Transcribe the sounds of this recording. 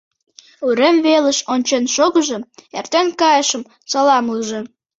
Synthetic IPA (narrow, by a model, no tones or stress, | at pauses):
uɾemβeləʃonʲt͡ɕenʃoɣəʒə̆mert̪enkɑjəʃəm | t͡sɑlɑmuʒĕ